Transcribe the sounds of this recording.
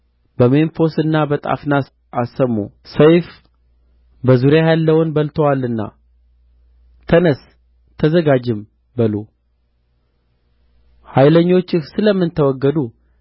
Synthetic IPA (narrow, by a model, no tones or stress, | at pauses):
bəme̞nfo̞sɨnːabət̪ʼa̰fna | ʔasəmːṵ | səjf | bəzuɾjajalːəwʊnbəlt̪ʰowalːɨnːa̰ | t̪ʰənəs | t̪ʰəzəɡad͡ʒɪm | bəlo | hajləɲːo̞t͡ʃːɪxsɨləmːɨnt̪ʰəwɔɡːəd̪u